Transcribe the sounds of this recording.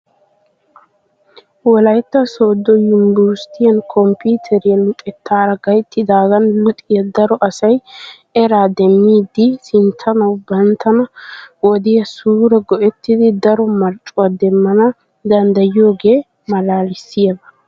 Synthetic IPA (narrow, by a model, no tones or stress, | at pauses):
wɔlɐjt̪ːɐsoːd̪ːɔjʊmbust̪ɪjɐnkʰɔmpiːt̪ʰɛɾɪjɐlʊt̪ʼɛt̪ʰːaːɾɐɡɐjt̪ːɪd̪aːɡɐnlʊt̪ʼɪjɐd̪ɐɾɔʔɐsɐj | ɛɾaːd̪ɛmːiːd̪ːɪsɪnt̪ʰːɐnɐwbɐnt̪ːɐnɐwɔd̪ɪjɐsuːɾɛɡɔʔɛt̪ːɪd̪ɪd̪ɐɾɔmɐɾt͡ʃʼːʊwɐd̪ɛmːɐnɐ | d̪ɐnd̪ɐjjo̞ːɡe̞ː | mɐlaːlɪsːɪjɐɡɐ